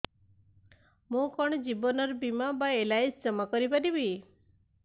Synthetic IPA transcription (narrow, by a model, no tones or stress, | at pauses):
mũkɔɳ̃d͡ʒibɔnɔɾbimabaelajsd͡ʒɔmakɔɾipaɾibi